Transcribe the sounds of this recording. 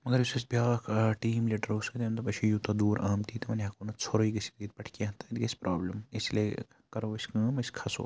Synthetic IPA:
mɐɡɐɾʋisɐsbʲjaːkʰʈiːmliːʈɐɾoskt̪ʲeːmt̪ɐpɐt͡ʃʰijut̪ɐd̪uːɾaːmt̪iːt̪ɐmɐnɦɐkoːnɐt͡sʰoɾoiɡɐsi̥kɡ̪it̪̚pɐʈʰkeɦt̪ɐt̪ɡɐsʲpɾaːbləmislḛ | kɐɾoʋɐsʲkaːmɐsʲkʰɐso̰ː

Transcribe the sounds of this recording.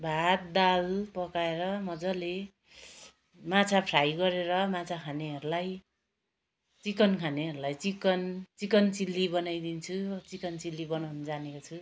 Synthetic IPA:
bʱat̪̚d̪alpʌkaeɾʌmʌd͡zʌle | mat͡sʰapʰrajɡʌɾeɾʌmat͡sʰakʰaneɦʌɾulaj | t͡sikʌnkʰaneɦʌɾulajt͡sikʌnt͡sikʌnt͡silːibʌnajd̪int͡sʰut͡sikʌnt͡silːibʌnawnʌd͡zanekot͡sʰu

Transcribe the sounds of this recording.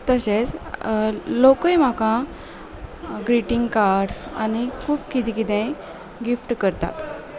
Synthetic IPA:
t̪əɕet͡s | lokəjm̤akã | ɡɾiʈiŋɡkaɾɖsa̰nikʰuːpkit̪ĩkit̪ɛ̃ | ɡifʈkəɾt̪a̰t̪

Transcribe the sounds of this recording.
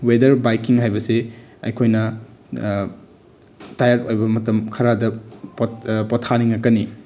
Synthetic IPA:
wedɐɾbajkiŋɦajbɐseɐ̰jkʰojnɐ | tajaɾojbɐmɐtɐmkʰɐɾadɐppɔtʰaniŋɐkːɐni

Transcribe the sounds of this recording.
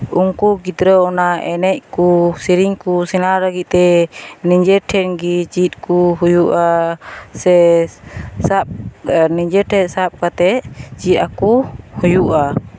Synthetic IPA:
uŋkuɡit̪ɾəɔnaʔɛnɛc̚kusiɾiŋkusɛnaɾəɡit̪̚t̪ɛniɲd͡ʒɛʈʰɛnɡit͡ʃit̪̚ˀkuɦujuʔasɛ | sap̚niɲd͡ʒɛʈʰɛsap̚kat̪ɛt͡ʃit̪̚akuhujuʔa

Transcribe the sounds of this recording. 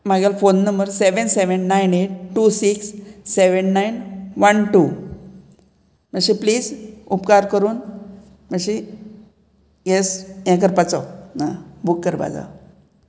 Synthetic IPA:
maɡjalfonːəmbəɾseʋənseʋənːaineʈ̚ʈusiksːeʋənːajnʋənʈu | məɕĩpliːd͡zupkaɾkəɾuːn | məɕi | jesjɛ̃k̬əɾpat͡sɔnabukːəɾba̰d͡za̰

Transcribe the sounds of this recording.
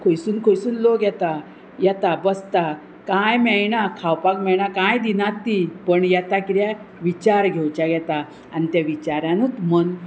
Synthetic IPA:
kʰojsuːnkʰojsuːnloɡjɛt̪a | jɛt̪abəst̪a | kajmɛjɳakʰawpakmɛɭɳakãjd̪inat̪ːipəɳjɛt̪akit̪ja | ʋit͡ɕaɾɡʱɛwt͡ɕaɡɛt̪a | anit̪jaʋit͡ɕaɾjãnut̪mən

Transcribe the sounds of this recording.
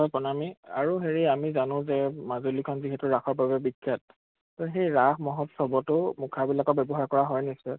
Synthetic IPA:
ɦɔjpɔnamia̰ɹuɦeɹiamizanʊ̃zɛmazolikʰɔnziɦɛtʊɹaxɔɹbabɛbikʰːat̚ː | ɔxejɹaxmɔɦɔtsɔbɔtʊmukʰabilakɔbɛbɔɦaɹkɔɹaɦɔjnisɔ

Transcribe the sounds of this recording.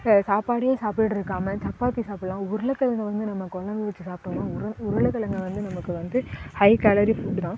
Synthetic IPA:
saːpaːɽɪjãːsaːpɪʈːɯɾɯkːaːmɐt̪ɐpːaːt̪ːisaːplãːʊɾɐlɐkːɐɐnʋɐnd̪ɯnɐmːɐkːɔlɐmb̪ɐʋɐt͡ʃːɯsaːpʈɐmãːɾʊɾɯlɐkːɐlɐŋɡɐʋɐnd̪ɯnɐmɐkːɯʋɐnd̪ɯhɐɪkaːlɐɾifuːɖt̪ãː

